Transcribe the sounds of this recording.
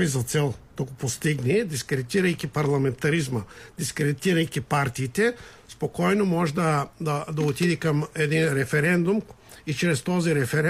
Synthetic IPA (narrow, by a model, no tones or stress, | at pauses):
izat̪sɛlˠd̪̥aɡopost̪iɡnid̪iskɾed̪it̪iɾajkʲipaɾlˠament̪aɾizmad̪̥iskɾed̪it̪iɾajkipaɾt̪iːt̪ɛ | spokojnomoʒd̪ad̪ad̪aut̪id̪ikamed̪inɾɛfɛɾɛnd̪um | it͡ʃɾɛst̪oziɾɛfɛɾ